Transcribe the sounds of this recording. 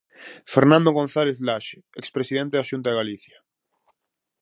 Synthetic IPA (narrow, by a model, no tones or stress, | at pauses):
feɾnãnd̪oɣõnθaleθlaʃe̥ | ekspɾesiðẽnt̪eðaʃunt̪aðeɣaliθja